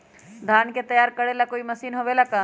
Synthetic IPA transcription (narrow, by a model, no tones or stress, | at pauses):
d̪ʱaːnket̪ɐjaːɾkɐɽelakoːimɐsiːnɦoːʋelakaː